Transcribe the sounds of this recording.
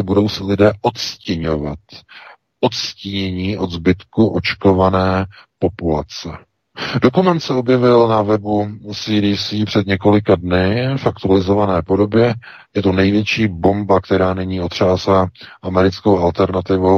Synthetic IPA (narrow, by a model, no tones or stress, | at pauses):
budo̞wsɪlɪdɛːʔot̪scɪɲo̞va̰t̪ | ʔo̞t̪sciɲɛɲiːʔo̞d̪zbɪt̪kuʔo̞t͡ʃko̞vanɛːpo̞pula̰t͡sɛ | do̞kumɛnt̪sɛo̞bjɛvɪlnavɛbusiːɾiːsiːpr̥ɛd̪ɲɛko̞lɪkadnɪfakt̪ualɪzo̞vanɛːpo̞do̞bjɛ | jɛt̪onɛjvjɛt͡ʃiːbo̞mbakt̪ɛɾaːnɛɲiːo̞t̪r̝̥aːsaʔamɛɾɪt͡skowalt̪ɛɾnat̪ɪvo